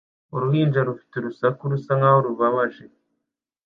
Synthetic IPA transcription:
uɾuhiːnd͡ʒaɾufi̥teɾusakuɾusaŋahoɾuβaβaʒe̞

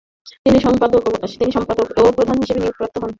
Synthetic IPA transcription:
t̪iniʃɔmpad̪okt̪iniʃɔmpad̪okebopɾod̪ʱanɦiʃebeniok̚pɾat̪ːoɦon

